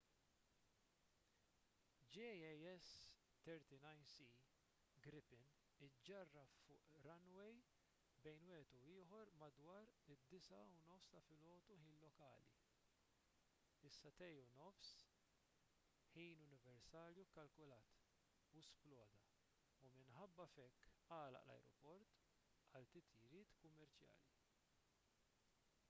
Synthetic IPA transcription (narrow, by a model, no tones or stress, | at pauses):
d͡ʒiɛjɛs | t̪ɛɾt̪inɐjnsi | ɡɾɪpɪn | ɪd͡ʒɐrːɐfʊːʔɾɐnwɛj | bɛjnwɪːhɛt̪uɪːħɔɾmɐd̪wɐːɾɪd̪ːɪsɐunɔfst̪ɐfɪlɔːt̪uħiːnlɔkɐːlḭ | ɪsːɐt̪ɛjunɔfs | ħiːnʊnɪvɛɾsɐːɾjukɐlkʊlɐːt̪ | usplɔːd̪ɐ | umɪnħɐbːɐfɛkːɐːlɐ̰ʔlɐ̰jɾɔpɔɾt̪ | ɐlt̪ɪt̪ʰiɾɪːt̪kʊmːɛɾt͡ʃjɐ̰ːli